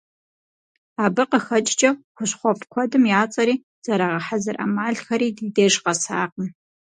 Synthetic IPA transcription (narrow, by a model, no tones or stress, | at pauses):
aːbɨqəxɐt͡ʃʼd͡ʒʼɐxʷʊɕχʷɔpʰkʷʰɔdɨmjaːt͡sʼɐɾiː | z̥ɐɾɐʁɐħazɨrʔɐ̰maːɮxɐɾiːdiːdeːʒqɐsaːqən